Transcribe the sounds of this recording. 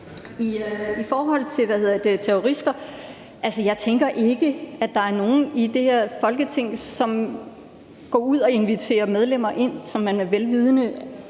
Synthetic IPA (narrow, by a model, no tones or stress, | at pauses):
iifɒːɦɒ̽l̰t͡sʰe̝lʋæhe̝ð̰ˠɐd̥e̝t͡sʰeoʁisd̥ɐ | ʔælsəjɑ̈ɪt͡sʰeŋɡ̥ɐʔe̝ɡ̥əæd̥ɑ̈æɐno̝ːn̩id̥e̝heɐ̰fɒ̽lɡ̥ət͡sʰe̝ŋ̰sɒ̽m | ɡ̥ɒ̰ːuð̞̰ˠɒ̽e̝nʋit͡sʰe̝̰ːɐmeð̞ˠlem̰ɐʔe̝n̰sɒ̽mːænmeʋelʋiːð̞ˠnə